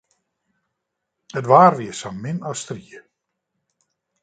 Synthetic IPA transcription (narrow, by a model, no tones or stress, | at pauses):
ətʋaːrʋiəsɔmɪnɔstriə